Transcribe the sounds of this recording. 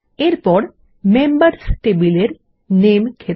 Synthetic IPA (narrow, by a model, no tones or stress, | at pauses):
eɾpɔɽ | membəɾsʈebileɾ | nemkʰe